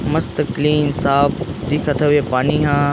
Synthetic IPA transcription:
mɐst̪əkliːnsaːbʰd̪ɪkʰət̪ʰəʋepaːniɦãː

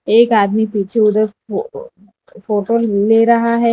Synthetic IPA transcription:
eːkaːd̪mipiːt͡ʃʰeʊd̪əɾ | foːʈoːleːɾɐɦaɦɛː

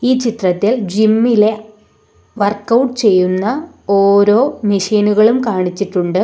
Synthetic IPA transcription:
iːt͡ɕit̪rɐt̪ːild͡ʑimːile̞ | ʋɐrkɐwʈːɨt͡ɕe̞jːunːɐ | o̞ːɾo̞ːmiʂiːnuɣɐɭumkaːɳit͡ɕːiʈːuɳɖɨ

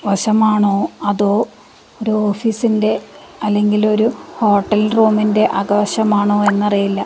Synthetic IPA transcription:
ʋɐɕɐmaːɳoːɐðoː | oɾuoːfiːsinde̞ | ɐlːe̞ŋɡilo̞ɾuho̞ːʈːɐlruːminde̞ʔɐɣɐʋɐɕɐmaːɳoːe̞nːɐrijilːɐ

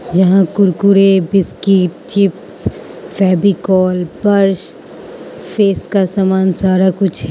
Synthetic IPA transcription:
jɐɦãkʊɾkuɾebɪskiʈ̚t͡ʃɪps | fɛːbikɔːlbɐɾʃ | fʰeːskasaːmaːnsaːɾakʊt͡ʃʰɦɛ

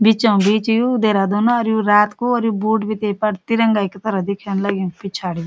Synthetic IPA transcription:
bit͡ʃãũbiːt͡ʃjud̪eːɾad̪oːnaɔɾjuɾaːt̪koɔɾjubuːʈbʱit̪eːpɐɽt̪iɾɐŋɡaːiket̪ɐɾɐɦd̪ɪkʰanlɐɡĩpit͡ʃʰaːɽij

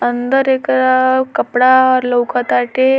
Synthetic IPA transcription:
ənd̪əɾekakəpɽaləwkat̪aʈe

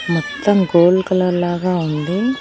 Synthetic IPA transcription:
mɔt̪ːɐmɡoːlkɐlɐlaːɡaːund̪i

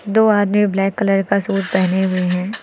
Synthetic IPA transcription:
d̪oːaːd̪miblɛːkːɐləɾkasuːd͡ʒpɛɦneɦʊeɦɛ̃ː

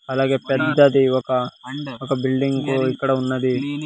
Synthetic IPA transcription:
ɐlaːɡepɛd̪ːɐd̪iːʋɐkɐʋɐkɐbilɖiŋɡkuikːɐɽeunːɐd̪i

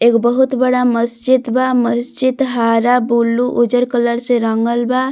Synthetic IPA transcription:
ekbəɦut̪bəɽaməst͡ʃid̪baməst͡ʃid̪ɦaɾabulːuʔud͡ʒəɾkələɾsẽɾəŋɡəlba

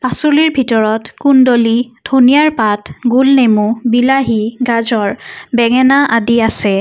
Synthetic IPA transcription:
pasuliɹbʱitɔɹɔtkundolidʱonijaɹpatɡulnemubilaɦiɡazɔɹbɛŋɛnaʔadiasɛ

